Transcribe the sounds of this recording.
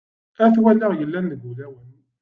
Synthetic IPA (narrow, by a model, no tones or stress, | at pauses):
æθwælːəʁjəlːænːəɡulæwən